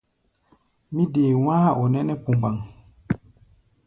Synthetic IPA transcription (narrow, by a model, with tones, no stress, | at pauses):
mi˦deː˨w̃ã˦ha˦˨ʔo˨nɛ˦nɛ˦pu˨mba˨ŋ